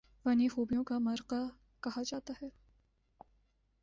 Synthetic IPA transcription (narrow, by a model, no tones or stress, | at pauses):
ʋɐːnixuːbijõkamɐɾqa | kɐɦad͡ʒaːt̪aɦɛː